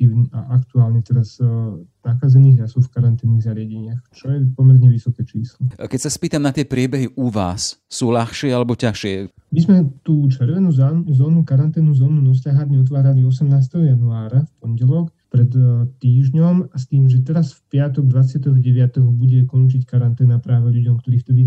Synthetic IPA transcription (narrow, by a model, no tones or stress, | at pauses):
inʔa̰ʔakt̪uaːlɲɛt̪ɛɾaznaxaːd͡zɛniːɣjasɔfkaɾant̪ɛːniːɣzaɾɪaɟɛɲɪaxt͡ʃɔjɛpɔmɛɾɲɛʋisɔkɛːt͡ʃiːslɔkɛcsaspiːt̪amnat̪ɪɛpɾɪɛbɛɦiʔuʋa̰ːsːuːlaxʃɪɛalɛbɔcaʃɪɛ | mizmɛt̪uːt͡ʃɛɾʋɛnuːzazɔːnuːkaɾant̪ɛːnuːzɔːnunɔs̬laːɦad̪ɲɛɔt̪̬ʋaːɾaliɔsɛmnaːst̪ɛɦɔjanuaːɾafpɔɲɟɛlɔkpɾɛt̪t̪iːʒɲɔmast̪iːmʒɛt̪ɛɾasfpɪat̪ɔɡd̪ʋat͡sɪat̪ɔɦɟɛʋɪat̪ɔɦɔbuɟɛkɔnt͡ʃickaɾant̪ɛːnapɾaːʋɛʎuɟɔmkt̪ɔɾiːft̪ɛd̪i